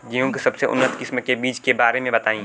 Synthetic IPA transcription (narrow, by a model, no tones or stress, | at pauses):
ɡijõkisɐbseʔʊ̰nːət̪kɪsmkebiːt͡ʃkebaːɾemẽbɐt̪aːĩː